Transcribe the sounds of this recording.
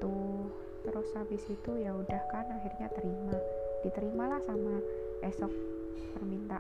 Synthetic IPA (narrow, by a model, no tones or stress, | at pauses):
uh | t̪əɾosabɪsit̪ujaudahkanaɦirɲat̪əɾimadit̪əɾimalahsama | ʔɛsɔk̚ | pərmint̪a